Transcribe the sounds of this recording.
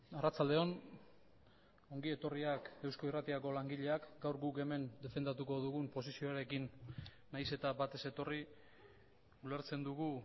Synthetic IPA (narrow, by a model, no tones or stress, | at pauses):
arat͡sald̪eo̞n | o̞ŋɡie̞t̪o̞riake̞wsko̞irat̪iako̞laŋɡiʎe̞akɡawɾɡuke̞me̞nd̪e̞fe̞nd̪at̪uko̞ðuɣumpo̞sisio̞aɾe̞kinː | ajse̞t̪abat̪e̞se̞t̪o̞ri | uleɾt͡se̞nd̪uɣu